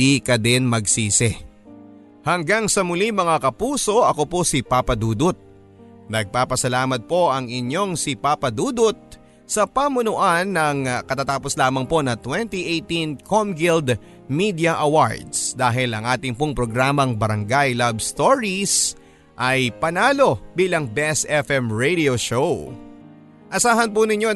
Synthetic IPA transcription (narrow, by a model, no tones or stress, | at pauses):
ikɐd̪ɛnmɐɡsiːsɛ | hɐŋɡaŋsɐmʊlimɐŋakɐpuːso̞ʔɐko̞po̞sɪpapɐd̪uːd̪ʊt̪̚ | nɐɡ̚paːpɐsɐlaːmɐt̪̚po̞ʔɐŋɪɲjo̞ŋsɪpaːpɐd̪uːd̪ʊt̪̚ | sɐpamʊnʊʔanːɐŋkɐt̪at̪aːposlaːmɐŋpo̞nɐt̪wɛnt̪iʔejt̪inkʰomɡɪld̪ | mid̪ɪɐʔɐwa̰ɹd̪sd̪aːɦɪlɐŋʔaːt̪ɪŋpoŋpɾo̞ɡɾaːmɐŋbɐɾɐŋɡajlabst̪oɹis | ʔɐjpɐnaːlo̞biːlɐŋbɛsɛfɛmɹejd̪ioʃow | ʔɐsaːɦɐnpʊnɪɲːo̞